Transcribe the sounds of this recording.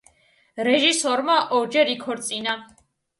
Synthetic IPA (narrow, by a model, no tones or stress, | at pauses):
ɾɛʒisɔɾmaʔɔɾd͡ʒɛɾikʰɔɾt̪sʼina